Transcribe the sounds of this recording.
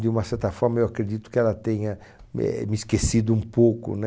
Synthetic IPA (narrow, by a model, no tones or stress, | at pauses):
d̪ɪũmɐsɛɾt̪ɐfɔɾmɐewakɾed͡ʒ̪it̪ʊ̥kɪɛlɐt̪ẽɲɐ | ɛ̰mɪiskesid̪ʊũpokʊ̰n